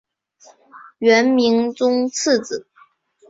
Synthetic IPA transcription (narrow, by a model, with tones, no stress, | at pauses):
ɥɛ˧˥nmi˧˥ŋt͡sʊ˥ŋt͡s̩ʰ˥˩t͡s̩˨˩˦